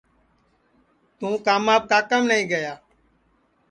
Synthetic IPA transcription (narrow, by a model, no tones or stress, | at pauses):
t̪ũːkaːmaːb̚kaːkəmnəĩːɡəjaː